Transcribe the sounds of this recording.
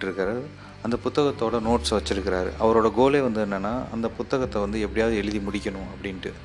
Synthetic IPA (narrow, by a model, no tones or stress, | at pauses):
ʈːɪɾɯkːɐɾɐð | ɐnd̪ɐpʊt̪ːɐɣɐt̪ːoːɽɐnoːʈsʋɐt͡ʃːɪɾɯkːɪɾaːɾɯ̰ʔɐʋɐɾoːɽɐɡoːleːʋɐnd̪ɯɛnːɐnːaːʔɐ̰nd̪ɐpʊt̪ːɐɣɐt̪ːɐʋɐnd̪ɯɛpːɐɽɪjaːðɯɛɻɯðimʊɽɪkʲːɐɳʊ̃ɐpːɐɽɪnʈɯ